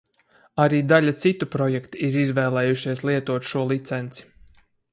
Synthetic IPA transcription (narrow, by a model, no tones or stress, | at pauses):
aɾiːd̪alʲat̪sit̪upɾɔjɛkt̪uiɾizvɛːlˠɛːjuʃiɛslˠiɛt̪uɔt̪ʃuɔlˠit̪sɛnt̪si̥